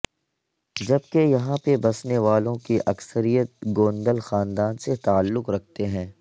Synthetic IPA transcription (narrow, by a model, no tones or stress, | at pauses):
d͡ʒɐb̚kejɐɦãpebɐsneʋaːlõkiʔɐksəɾijət̪̚ɡoːnd̪əlxaːnd̪aːnset̪aːəlːʊqɾɐk̚ʰt̪eɦɛ̃ː